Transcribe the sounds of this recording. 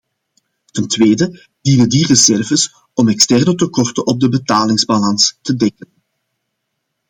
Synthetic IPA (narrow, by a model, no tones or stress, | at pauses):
təntweːdə | d̥inəndirəzɛrvəs | ɔmɛkstɛrnətəkɔrtənɔb̚dəbətaːlɪŋzbalɑnstədɛkən